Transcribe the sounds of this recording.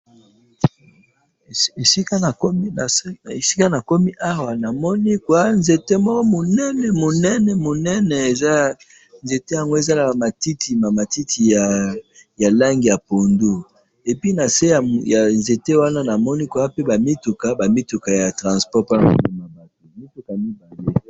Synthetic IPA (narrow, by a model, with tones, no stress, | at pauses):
e˨si˦ka˦na˨ko˦mi˦a˨se˨si̥˦ka˦na˨ko˦mi˦ʔa˦wa˨na˨mɔ˦ni˦kwa˦nze˨te˦mɔ˦kɔ˦mo˨nɛ˦nɛ˨mo˨nɛ˦nɛ˨mo˨nɛ˦nɛ˨e˨za˦ | nze˨te˦ja˨ŋɡo˦e˨za˦la˨ma˨ti˦ti˨ma˨ma˨ti˦tʰi˨ja˨ja˨la˦ŋɡi˨ja˨po˨ndu˦ | e˨pi˦na˨se˦ja˨ja˨nze˨te˦wa˦na˦na˨mɔ˦ni˦kwa˦pe˦ba˨mi˦tu˨ka˦ba˨mi˦tu˨ka˨ja˨tʁã˨spɔ˦pa˦a˨mo˨li˨ma˨ma˨te˨mi˦tu˨ka˨mi˦ba˨le˨˦